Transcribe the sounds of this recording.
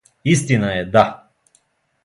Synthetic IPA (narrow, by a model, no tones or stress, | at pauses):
ist̪inaɛd̪a